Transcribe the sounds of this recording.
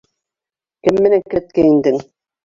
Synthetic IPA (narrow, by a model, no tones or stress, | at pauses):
kɘmːɘ̆næŋkɘ̆t̪̚kæind̪ɘŋ